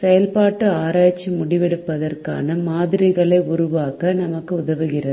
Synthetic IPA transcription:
sɛjɐlpaːʈːɯaːɾaːt͡ʃːimʊɽɪʋɛɽɯpːɐðɐrka̰ːnɐmaːðɪɾɪɣɐɭɐɪʊɾʊʋaːkɐnɐmɐkːɯʊðɐʋɯɣɪrɐð

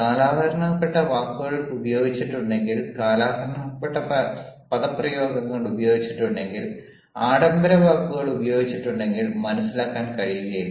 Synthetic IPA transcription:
kaːlaːd̪ʱɐɾɐɳaːpːeʈːɐʋaːkːuɣɐɭubɐjo̞ːɡit͡ɕːiʈːuɳɖe̞ŋɡilkaːlaːd̪ʱɐɾɐɳapːeʈːɐpɐðɐpːrɐjo̞ːɡɐŋːɐɭubɐjo̞ːɡit͡ɕːiʈːuɳɖe̞ŋɡil | aːɽɐmbɐɾɐʋaːkːuɣɐɭubɐjo̞ːɡit͡ɕːiʈːuɳɖe̞ŋɡilmɐnɐsːilaːkːaːnkɐɻijuɣɐji

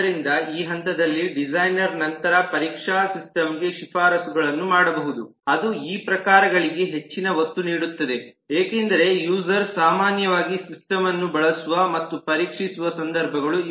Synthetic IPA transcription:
ɐɾind̪ɐiːɦɐnt̪ɐd̪ɐlːiɖid͡ʒɐjnɐɾnɐnt̪ɐɾɐpɐɾiːkʂaːsisʈɐmɡe̞ʃipʰaːɾɐsuɡɐɭɐnːumaːɽɐbɐɦud̪u | ɐd̪uiːpɾɐkaːɾɐɡɐɭiɡe̞ɦe̞t͡ʃːinɐʋot̪ːuniːɽut̪ːɐd̪e̞ | eːkeːnd̪ɐɾe̞juːsɐɾsaːmaːnjɐʋaːɡisisʈɐmɐnːubɐɭɐsuʋɐmɐt̪ːupɐɾiːkʂisuʋɐsɐnd̪ɐɾbʱɐɡɐɭu

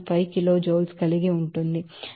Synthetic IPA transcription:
pʰɐjkilo̞ːd͡ʒoːlskɐliɡiuɳʈund̪i

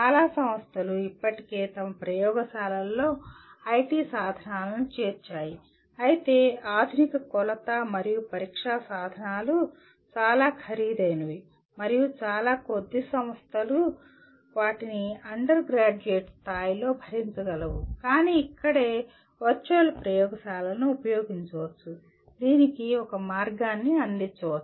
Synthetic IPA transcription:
t͡ʃaːlaːsɐmɐst̪ʰɐluipːɐʈi̥ke̞ːt̪ɐmɐpɾɐjɔːɡɐsaːlɐlːo̞ːɐjʈiːsaːd̪ʱɐnaːlɐnut͡ʃe̞ːɾt͡ʃaːji | ɐjit̪e̞ːaːd̪ʱunikɐkɔlɐt̪ɐmɐɾijupɐɾiːkʂaːsaːd̪ʱɐnaːlu | t͡ʃaːlaːkʰɐɾiːd̪ɐjnɐʋi | mɐɾijut͡ʃaːlaːkod̪ːisɐmɐst̪ʰɐlu | ʋaːʈiniɐɳɖɐɾɡɾaːd͡ʒueːʈst̪ʰaːjilo̞ːbʱɐɾiɲt͡ʃɐɡɐlɐʋukaːniːkːɐɽe̞ː | ʋɐɾt͡ʃɐɐlpɾɐjɔːɡɐsaːlɐnuːpɐjoːɡiɲt͡ʃɐʋɐt͡ʃːu | d̪iːnikiɔkɐmaːɾɡaːnːiɐnd̪iɲt͡ʃːɐʋɐt͡ʃːu

